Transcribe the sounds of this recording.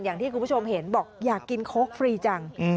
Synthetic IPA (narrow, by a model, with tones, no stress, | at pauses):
njaː˨˩ŋt̪ʰiː˥˩ku˧˦˥o˧mɦe˩˦nbɔː˨˩k̚jaː˨˩kːi˧nkʰoː˦˥k̚fɾiː˧t͡ɕa˧ŋ˧